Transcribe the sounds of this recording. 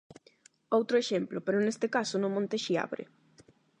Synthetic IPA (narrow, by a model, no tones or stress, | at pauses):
owt̪ɾoeʃemplopeɾonest̪ekasonõmõnt̪eʃia̰βɾḛ